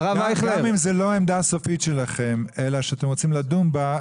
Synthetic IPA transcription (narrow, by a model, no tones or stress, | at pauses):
avaamimzelo̞aemd̪aso̞fitʃelaχemelaʃeat̪e̞mʁo̞t͡simlad̪umba